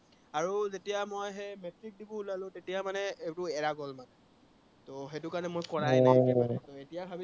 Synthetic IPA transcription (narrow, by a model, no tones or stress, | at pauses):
aɹuzetijamojɦemɛtɹik̚dibɔulalʊ̃tetijamanɛetʊɛɹaɡɔlmanɛ | toɦetʊkaɹnɛmojkɔɹajtoetijabʱabi